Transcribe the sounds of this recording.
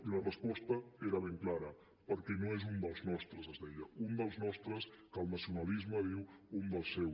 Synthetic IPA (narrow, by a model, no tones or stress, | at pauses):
ilərəspɔst̪əeɾəβ̞eŋklaɾə | pəɾkɛnoezund̪əlˠznɔst̪ɾəzəzðɛʎəund̪əlˠznɔst̪ɾəskəlˠnəsiunəlizməðiwund̪əlˠsːɛw